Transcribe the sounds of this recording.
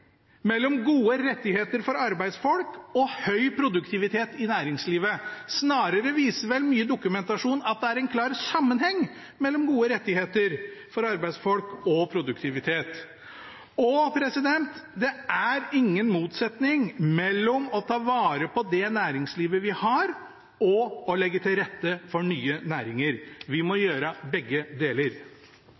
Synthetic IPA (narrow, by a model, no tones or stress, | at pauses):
mɛlːɔmɡuːəɾɛt̪ːɪheːt̪əɾfɔɾɑɾbæɪd̪sfɔlkɔhœʏpʰɾʊd̪ʉkt̪ʰɪʋɪt̪ʰeːt̪ɪnæːɾɪŋsliːʋəsnɑːɾəɾəʋiːsəɾʋɛlmyːəd̪ʊkʉmɛnt̪ɑʂuːnɑt̪̚d̪ɛæɾɛnkʰlɑːɾsɑmːənhɛŋː | mɛlːɔmɡuːəɾɛt̪ːɪheːt̪əɾfɔɾɑɾbæɪd̪sfɔlkɔpʰɾʊd̪ʉkt̪ʰɪʋɪt̪ʰeːt̪ | ɔpʰɾɛsɪd̪ɛnt̪d̪ɛæɾɪŋːənmuːt̪sɛt̪nɪŋmɛlːɔmɔt̪ʰɑːʋɑːɾəpʰɔd̪ɛnæːɾɪŋsliːʋəʋɪhɑɾ | ɔɔlɛɡːət̪ʰɪlɾɛt̪ːəfɔɳyːənæːɾɪŋəɾʋɪmɔjøːɾəbɛɡːəd̪eːləɾ